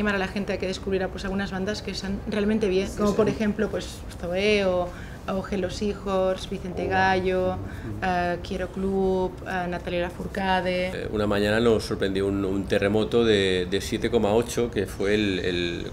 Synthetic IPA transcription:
imaɾalaxe̞nt̪eakeðe̞skuβɾiɾapwesalɣunazβand̪askeːst̪anre̞almẽnt̪e̞βjeŋkomopoɾexe̞mplopwe̞s | θoeo | oxelosixozβiθe̞nt̪eɣaʎo | akjeɾoklupanat̪alolafuɾkaðeṵnamãɲãnanosːoɾpɾend̪joununt̪e̞remot̪oðed̪esjet̪eko̞mao̞t͡ʃokefwelḛl

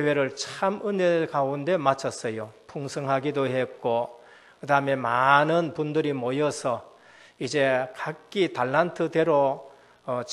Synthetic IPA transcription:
ewe̞ɾɯɭt͡ɕʰamɯne̞kaunde̞mat͡ɕʰʌs͈ʌjopʰuŋsʰʌŋɦaɡidohe̞k͈o | kɯdaɯme̞manɯnpundɯɾimʌjʌsʰʌ | id͡ʑe̞kak͈itaɭːantʰɯde̞ɾo

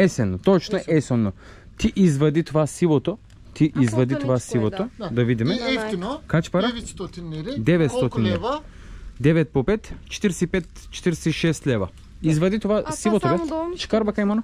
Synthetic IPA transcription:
ɛsɛnɔt̪ɔt͡ʃnaɛsɛnːɔ | t̪iʔizvad̪it̪ovasilˠɔt̪ɔ | t̪iʔizvad̪it̪ovasilˠɔt̪od̪avid̪imɛkat͡ʃpaɾat̪d̪ɛvɛt̪st̪ɔt̪inɛ | d̪ɛvɛt̪̚pɔpɛt̪t͡ʃɛ̥t̪iɾsɛipɛt̪t͡ʃɛ̥t̪iɾsɛiʃɛst̪lɛva | izvad̪it̪ovasilˠɔt̪ovɛt͡ʃkaɾbakajmanɔ

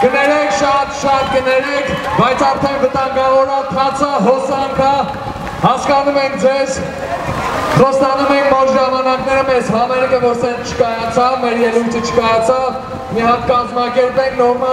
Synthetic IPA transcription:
ɡ̥ənɛɾɛkʰʃɑt̪ʃɑt̪̚ɡənɛɾik̪ʰbɑjt͡sʰɑɾt̪ʰɛnvət̪ɑŋɡɑvɔɾɑt̪ʰɑt͡sʰəɦɔsɑŋkʰə | hɑskɑnumɛŋk̚ʰd͡zɛz | χɔst̪ɑnumɛinmɔɾʒɑmɑnɑknɛɾəmɛzɦɑmɛɾkəvɔɾsɛnt͡ʃʰə̥kɑjɑt͡sʰɑvmɛɾjɛlujt̪ʰət͡ʃʰə̥kɑjɑt͡sʰɑv | miɦɑt̪̚kɑzmɑkɛɾpɛŋkʰnɔɾmɑ

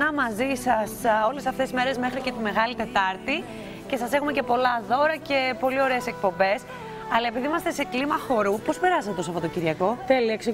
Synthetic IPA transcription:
ɐmɐzisɐso̞lesɐft̪e̞sme̞ɾe̞zme̞xɾice̞t̪ime̞ɣɐlit̪e̞t̪ɐɾt̪i | ce̞sɐse̞xumece̞po̞lɐðo̞ɾɐce̞po̞lio̞ɾeːsek̚po̞mbe̞s | ɐlɐe̞piðiimɐst̪e̞se̞klimɐxo̞ɾupo̞spe̞ɾɐset̪et̪osɐfpot̪ociɾʝɐko̞θeliɐkse

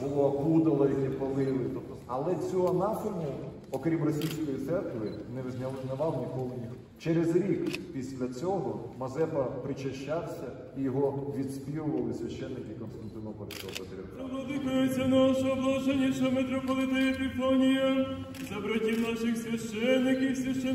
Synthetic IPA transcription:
bʊlˠɔɐkud̪ɐlˠɐit̪epɐlˠɪlˠɪt̪ɔpt̪ɐlˠɛt͡sʲɔɦɔnɑsʊmʊ | ɔkɾʲimrɔsʲijsʲkɔjit̪sɛrkʋɪnɛʋzʲnʲɐnɐʋɑwnʲikɔlˠɪnʲix | t͡ʃɛɾezɾʲikpʲisʲlʲɐt͡sʲɔɦɔmɐzɛpɐpɾɪt͡ʃɐʃt͡ʃːawsʲɐ | ijɔɦɔʋʲid̪sʲpʲiɦlʊʋɐlˠɪsʲʋʲɐʃt͡ʃːɛnːɪkɪkɔnst̪ɐnt̪ɪnɔpɔlʲskɔɦɔpɐd̪ɾʲɪlˠɔd̪ɪkɐjet͡sʲːɐnaʃɔb̪ˠɔʒɛnʲiʃɐmet̪ɾɔpɔlˠɪt̪ɐjɐt̪ɪfɔnʲijɐzɐbɾɐtʲiwnaʃɪxsʲʋʲɐʃt͡ʃɛnːɪkʲiwsʲjʲɐʃt͡ʃɛ

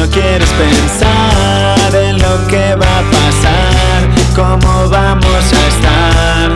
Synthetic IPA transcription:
okjeɾespensa | ɾenlokeβapasa | ɾ | ko̞moβamosaest̪a | ɾ

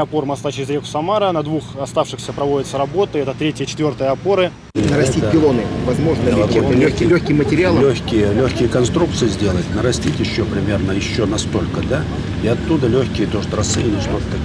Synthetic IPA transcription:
ɐpo̞rmɐst̪at͡ɕɪɾʲɪzɾʲekʊ̥sɐmaɾənɐd̪vuxɐst̪afʂɨxsʲəpɾɐvo̞dʲɪt̪səɾɐbo̞t̪əɛt̪ət̪ɾʲetʲɪjət͡ɕɪt̪vʲort̪ɨjəɐpo̞ɾɨ | nəɾɐsʲtʲit̚ʲpʲɪlˠonɨvɐzmo̞ʐnəɛlʲoçʲlʲokʲɪmətʲɪɾʲɪalˠlʲoxʲkʲɪjəlʲoxʲkʲɪjəkɐnst̪ɾuk̚t̪sɨjəzʲdʲe̞lˠətʲnəɾɐsʲtʲitʲjɪɕːopɾʲɪmʲe̞rnəjɪɕːonɐst̪o̞lʲkəd̪a | iɐt̪ːud̪əlʲoçʲkʲɪjət̪o̞ʐət̪ɾɐsɨnʲɪʂt̪ot̪

